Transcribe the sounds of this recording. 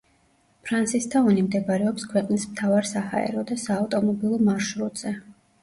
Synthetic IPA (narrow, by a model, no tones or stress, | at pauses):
pʰɾant̪sʰist̪ʰavanimd̪ɛbaɾɛɔpskʰwɛqʼnismt̪ʰavaɾsaha̰ɛ̰ɾɔd̪asaːft̪ʼɔmɔbilˠɔmaɾʃɾut̪z̥ɛ